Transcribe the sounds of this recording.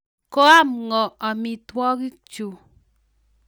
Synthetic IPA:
ko˦a˦˨mŋɔ˨a˨mi˨twɔ˦ki˦kt͡ʃu˨

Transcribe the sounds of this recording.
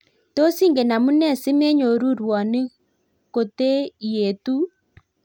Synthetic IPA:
to˦si˦ŋɡe˨na˨mu˦nɛ˦˨sɪ˦me˦ɲo˨ɾu˦ɾwɔ˨ne˦ | ko˨te˦je˨tu˦

